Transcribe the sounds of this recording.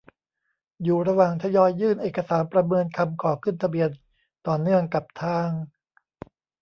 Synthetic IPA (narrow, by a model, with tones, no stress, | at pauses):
juː˨˩ɾa˧waː˨˩ŋt̪ʰa˧jɔː˧jːɯː˥˩nʔeː˨˩ka˧saː˩˦npɾa˧mɤː˧nkʰa˧mkʰɔː˩˦kʰɯ˥˩nt̪ʰa˧bi˧ən | t̪ɔː˨˩nːɯ˥˩əŋka˨˩p̚t̪ʰaː˥˩ŋ